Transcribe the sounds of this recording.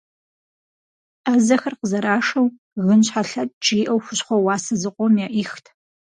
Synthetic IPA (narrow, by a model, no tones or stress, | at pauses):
aːzɐxɐrqəzɐɾaːʂɐw | ɣɨnɕħaɬɐt̚ʼt͡ʃʼiːʔɐwxʷʊɕχʷɔwɑːsɐzɨqʷʼɔmjaːʔixtʰ